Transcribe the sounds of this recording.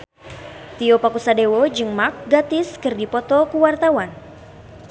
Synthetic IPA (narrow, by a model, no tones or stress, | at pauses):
t̪iɔpakusadewɔd͡ʒɨŋmak̚ɡat̪ɪskɨrdipɔt̪ɔkuwart̪awan